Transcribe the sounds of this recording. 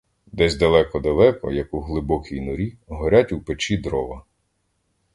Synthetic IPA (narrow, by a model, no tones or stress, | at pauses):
d̪ɛzʲd̪ɐlˠɛkɔd̪ɐlˠɛkɔ̰jɐkuɦlˠɪbɔkʲijnʊɾʲiɦɔɾʲatʲupet͡ʃid̪ɾɔʋɐ